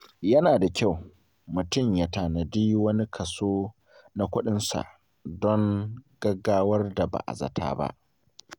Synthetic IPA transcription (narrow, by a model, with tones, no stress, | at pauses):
jɐ˦naː˨da˨kʲa˦˨w | mʊ˨tʊ˦˨mja˨taː˨nɐ˨diː˦wɐ˦ni˦kʰɐ˨soː˦ | na˦kʷʊ˦ɗɪ˦nsa̰˨ʔ | dɔ˦ŋɡ̥ɐ˦ɡaː˦wɐ˦rda˨ba̰˨ʔa̰˨zɐ̰˨tʰa̰ː˦ba̰˦ʔ